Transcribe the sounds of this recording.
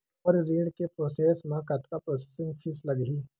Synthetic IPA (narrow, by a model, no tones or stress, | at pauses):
pəɾɾiːɽkepɾoːseːsmãkɐt̪kapɾoːse̥sɪ̃ŋɡpʰɪslɐɡɦiː